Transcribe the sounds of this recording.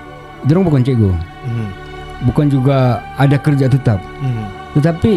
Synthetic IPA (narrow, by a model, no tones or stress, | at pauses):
d̪əɾaŋbukant͡ʃaɡə̰ | bukand͡ʒuɡaːdakəɾd͡ʒat̪ət̪ap̚ | t̪ət̪api